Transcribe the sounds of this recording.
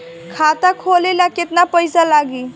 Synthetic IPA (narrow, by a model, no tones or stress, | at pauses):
kʰat̪akʰolelaket̪napəjsalaɡi